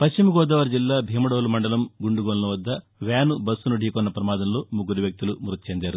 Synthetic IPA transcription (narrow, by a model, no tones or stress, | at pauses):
pɐʃt͡ʃimɐɡɔːd̪ɐːʋɐɾd͡ʒilːaːbʱiːmɐɽoːlumɐɳɖɐlɐmɡuɳɖuɡoːlulɐʋɐd̪ːɐ | ʋaːnubɐsːunuɖʱiːkɔnːɐpɾɐmaːd̪ɐmlo̞ːmuɡːuɾuʋjɐk̚t̪ulumuɾut̪̚t͡ʃeːnd̪aːɾu